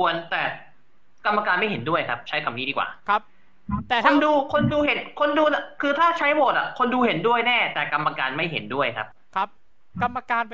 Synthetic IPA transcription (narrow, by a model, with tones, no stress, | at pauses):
u˧ənt̪ɛː˨˩ | ka˧mːa˧kaː˧nma˥˩jɦe˩˦ndu˥˩əjkʰa˦˥p̚t͡ɕʰa˦˥jka˨˩m̚niː˦˥˩diː˧˩kwa̰ː˨˩kʰa˦˥p̚ | t̪ːkʰo˧nduː˧kʰo˧nduː˧ɦe˨˦nkʰo˧nduː˧la˨˩kʰɯː˧t̪ʰaː˥˩t͡ɕʰa˦˥jboː˨˩t̪̚a̰˨˩kʰo˧nduː˧he˩˦ndu˥˩əjnɛː˥˩t̪ɛː˨˩ka˧mːa˧kaː˧nma˥˩jɦḛ˩˦ndu˥˩əjkʰa̰˦˥p̚kʰp̚ | ka˧mːa˧kaː˧n